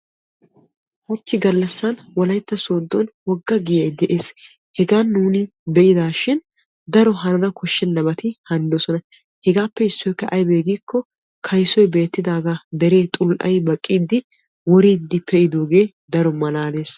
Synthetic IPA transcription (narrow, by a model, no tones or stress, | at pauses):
ʔɔt̪ːɪɡɐlːɐsːɐnwɔlɐjt̪ːɐsoːd̪ːɔnwɔɡːɐɡɪjɐjd̪ɛʔe̞ːs | hɛɡaːnːuːnɪ | bɛʔɪd̪aːʃɪn | d̪ɐɾɔɦɐnɐnɐkʰɔʃːɛnːɐbɐt̪ɪhɐnd̪ɔsɔnɐ | hɛɡaːpːɛɪsːɔjkːɐʔɐjbeːɡiːkʰːɔ | kʰɐjsɔjbe̞ːt̪ːɪd̪aːɡad̪ɛɾe̞ːt̪ʼʊlʔɐ̰jbɐkʼːiːd̪ːɪ | wɔɾiːd̪ːɪpʰːɛʔɪd̪oːɡe̞ː | d̪ɐɾɔmɐlaːd̪e̞ːs